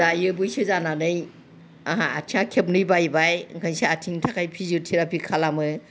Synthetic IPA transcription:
ajɯbɯjsɯzananɯj | aɦaa̰tʰiãkʰep̚nɯjbajbajkʰɯnsaatʰiŋtʰakʰajpʰizutʰiɾapʰikʰalamɯ

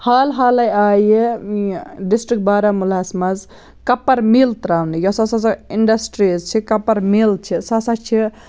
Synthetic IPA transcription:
haːlɦaːlɐjaːje | ɖisʈɾik̚ʈ̚baːɾamulasmɐz | kɐpːɐɾmilt̪ɾaːwnijɔsɐsɐsɐiɳɖɐsʈɾizt͡ʃʰikɐpɐɾmilt͡ʃʰisɐsɐt͡ʃʰi

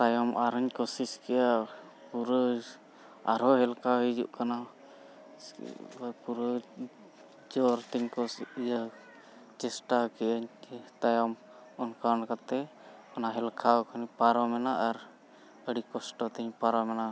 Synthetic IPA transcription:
t̪ajɔmʔaɾəɲkɔsiskɛja | puɾə | a̰ɾɔɦɛlkaɦid͡ʒṵʔkana | puɾə | d͡ʒɔɾt̪iɲkɔijə | t͡ʃɛsʈakɛəɲt̪ajɔm | ɔnkankat̪ɛ | ɔnaɦɛlkʰakʰanipaɾɔmɛnaʔːɾ | əɽikɔsʈɔt̪ɛɲpaɾɔmɛna

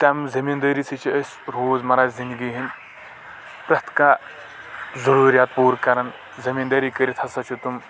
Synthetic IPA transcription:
t̪ʲamzɐmind̪ɐːɾiːsit͡ʃʰiəsʲ | ɾoːzmɐɾaːzzind̪ɡiɦin | pɾɐt̪ʰka | zɐɾuːɾjaːt̪̚puːɾkɐɾɐn | zɐmiːnd̪ɐːɾikɐɾit̪ʰɐsɐt͡ʃʰut̪um

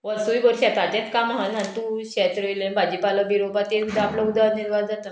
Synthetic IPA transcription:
ʋəsujɡoɾɕat̪at͡ɕɛt̪kamaɦanant̪ũɕɛt̪ɾəilənbad͡ʑipaləbiɾobat̪eud̪ʱaapləud̪ʱaniɾʋad͡zat̪ə

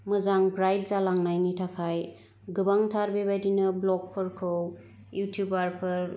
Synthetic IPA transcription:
mɯzaŋbɾajt̚zalaŋnajnitʰakʰaj | ɡɯbaŋtʰaɾbebajdinɐblɔk̚pʰɯɾkʰɯw | jutʰjubaɾpʰɯɾ

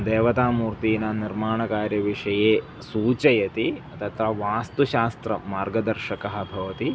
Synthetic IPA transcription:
d̪eːʋɐt̪aːmuːɾt̪iːnaːniɾmaːɳɐkaːɾjɐʋiʂɐjeː | suːt͡ʃɐjɐt̪iɐt̪ɐt̪ʋɐʋaːst̪uʃaːst̪ɾɐmaːɾɡɐd̪ɐɾʃɐkɐɦɐ̆bʱɐʋɐt̪i

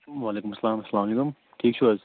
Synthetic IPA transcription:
ʋaːleːkʊmɐsːɐlaːmɐsːɐlaːmɐleːkʊm | ʈʰiːkʃuɐz

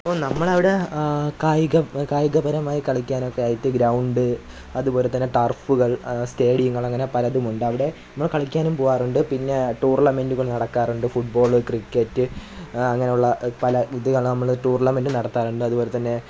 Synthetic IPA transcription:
ɐpːoːnɐmːɐɭɐʋiɽe̞kaːjɡɐkaːjɡɐbɐɾɐmaːjikɐɭikʲːaːnokːeaːjitːɨɡɾɐwuɳɖɨ | ɐðubo̞ːlet̪ːɐnːe̞ʈɐrfuɣɐɭste̞ːɽijuŋːɐɭɐŋːɐne̞pɐlɐðumuɳɖɨɐʋiɽe̞nɐmːɐɭkɐɭikʲːaːnumpoːʋaːruɳɖɨpinːe̞ʈuːrnɐmenduɣɐɭnɐɽɐkːaːruɳɖɨfuʈ̚bo̞ːɭkrikʲːetːɨɐŋːɐnejuɭːɐpɐlɐiðɨkɐɭnɐmːɐɭʈuːrnɐmendɨnɐɽɐt̪ːaːɾuɳɖɨɐðuboːlet̪ːɐnːe̞

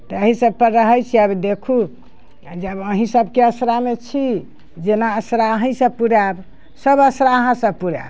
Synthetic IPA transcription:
t̪ɔəɦĩsəb̚pəɾɾəɦəjt͡ʃʰiəbd̪ekʰu | d͡ʒəbəɦĩsəbkeəsɾamet͡ʃʰi | d͡ʒenaəsɾaəɦĩsə̃puɾab | səbəsɾaəɦãsəbpuɾa̰b

